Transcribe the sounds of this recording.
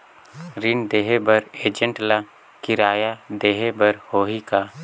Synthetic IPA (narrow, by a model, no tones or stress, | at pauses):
ɾɪnd̪eːɦebɐɾeːd͡ʒə̃ɳʈla | kɪɾaːjad̪eːɦebəɾhoːɦikaː